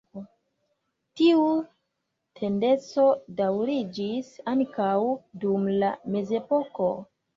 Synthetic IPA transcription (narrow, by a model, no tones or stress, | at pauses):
tiu | tʰe̞nde̞t͡so̞dawɾid͡ʒisaŋkawdumlame̞ze̞po̞ko̞